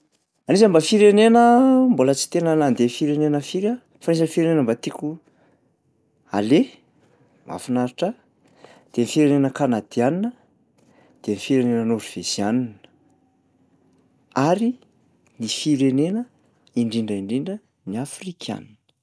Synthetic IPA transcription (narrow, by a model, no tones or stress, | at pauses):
anizəmbafiɾenenəmbolət͡si̥t̪enənand̪efiɾenenəfiɾə | fanezənifiɾenenəmbat̪iku | a̰le | ma̰finaɾiʈ͡ʂə | d̪̥enifiɾenenəkanad̪̥ianinə | d̪̥enifiɾenenənuɾiv̥ezianinə̥ | aɾi | nifiɾenenə | iɳɖ͡ʐiɳɖ͡ʐəiɳɖ͡ʐiɳɖ͡ʐə | niafrikʰa̰ninə̥